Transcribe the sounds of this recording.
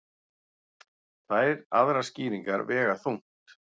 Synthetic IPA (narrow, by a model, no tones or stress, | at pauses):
θajɾaðɾasciːɾiŋkaɾvɛːɣaθuwŋ̥t̪